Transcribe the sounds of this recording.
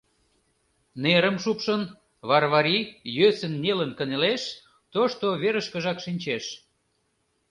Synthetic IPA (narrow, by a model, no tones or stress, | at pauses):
neɾəmʃupʃən | βɑrβɑɾijøsənːelənkəneleʃ | t̪oʃt̪oβeɾəʃkə̆ʒɑkʃinʲt͡ɕeʃ